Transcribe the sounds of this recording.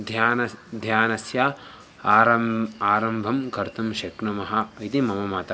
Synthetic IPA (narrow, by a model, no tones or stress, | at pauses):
d̪ʱjaːnd̪ʱjaːnɐsjaː | ɾɐaːɾɐmbʱɐmkɐɾt̪ɐmʃɐkɳɐmɐɦɐit̪imɐmɐmaːt̪ɐ